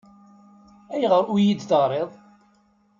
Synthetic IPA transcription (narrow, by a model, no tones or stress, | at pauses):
æjʁəɾˤujid̪θəʁɾˤeðˤ